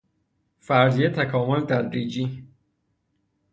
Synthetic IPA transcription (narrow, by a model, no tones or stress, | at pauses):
fæɾzijet̪ʰækʰɒːmolt̪ʰæd̪ɾiːd͡ʒiː